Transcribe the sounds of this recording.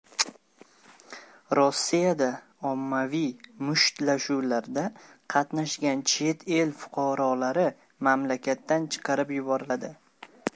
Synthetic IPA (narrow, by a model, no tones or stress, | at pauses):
ɾɒsːijad̪a | ɒmːavijmʊʃt̪laʃuwlaɾd̪aqʰɑt̪naʃɡʲant͡ʃʰe̞t̪ʰe̞lfʊ̥qʰɑɾɒlaɾɪ | mamlakʲʰat̪ːant͡ʃʰɨ̥qʰɑɾɪpjʊbɒɾɪlad̪ɪ